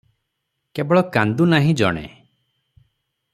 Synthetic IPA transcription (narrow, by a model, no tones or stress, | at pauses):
kebɔɭɔkand̪unaɦĩd͡ʒɔ̰ɽ̃ḛ